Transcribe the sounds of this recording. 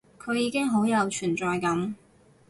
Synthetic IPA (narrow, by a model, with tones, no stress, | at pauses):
kʰɵ˨˧ɥjiː˨˧kɪ˥ŋɦo˨˥wjɐ˨˧wt͡ʃʰyː˨˩nt͡sɔː˨˧jkɐ˨˥m